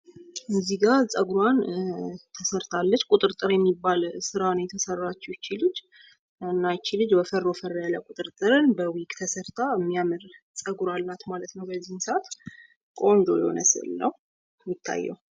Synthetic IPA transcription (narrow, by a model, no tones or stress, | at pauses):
ʔɨnziɡaɾsʼəɡɾwant̪ʰəsəɾt̪ʰalːət͡ʃːkʼʊt̪ʼɨɾt̪ʼɨɾjɛmːibːalsɨɾanəwjɛt̪ʰəsərːat͡ʃːɛwt͡ʃilɨd͡ʒ | ɨnːajt͡ʃilɨd͡ʒbəfərːofəralakʼut̪ʼɨɾt̪ʼɨɾɨnbəwikʼt̪ʰəsəɾt̪ʰaəmːijamɨɾ | t͡sʼəɡɾalːat̪malət̪nəwbəzːihnsat̪ | kʼo̞nd͡ʒo̞jɛho̰nə̰sɨ̰lnəw | jɪt̪ʰːa̰jːɛ̰w